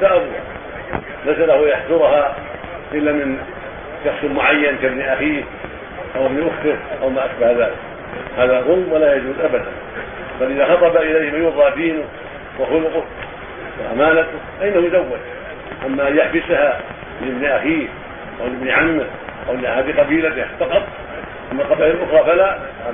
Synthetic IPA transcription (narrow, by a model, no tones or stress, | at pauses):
saʔabu | lajsalahjaħsʊɾʊha | ʔɪlːamɪn | ʃɑxsmʊʕajːankabniʔaxiːh | ʔawʔɪbniʔʊxt̪ɪhʔawmaʔaʃbahðaːlɪk | haːðaðˤʊlmwalaːjad͡ʒuːzʔabad̪a̰n | balʔɪðaːxɑt̪ˤɑbaʔɪlajhɪmajʊðˤɑfiːnʊ | waxʊlʊqʊ | wahamaːlat̪ʊfaʔɪnːahujzawːad͡ʒ | ʔamːaʔjaħbɪsaha | ɪɪbniʔaxiːh | ʔawlɪbniʕamːɪh | ʔawlʔahaːd̪iqɑbiːlat̪ɪhfɑqɑt̪ˤ | ʔamːaqɑbahɪlʔʊxɾˤɑːfala